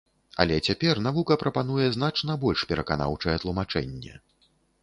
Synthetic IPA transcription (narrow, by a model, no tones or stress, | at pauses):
ɐ̰lʲɛt͡sʲapʲɛrnavukɐpɾɐpan̪ujɛznat͡ʂnɐbɔlʲʂpʲɛɾɐkana̰wt͡ʂɐjɛt̪lˠumat͡ʂɛ̰nʲːɛ̰